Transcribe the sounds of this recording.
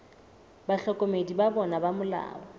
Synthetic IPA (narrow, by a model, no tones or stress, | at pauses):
baɬɔkʼomedibabɔnabamʊla̰ːbɔ